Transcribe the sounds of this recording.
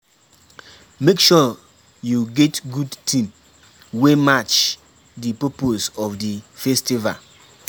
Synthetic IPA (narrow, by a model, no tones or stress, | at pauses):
mekʃɔ | juɡɛtɡudtʰĩm | wemat͡ʃ | dipoposɔfdifɛstiva̰l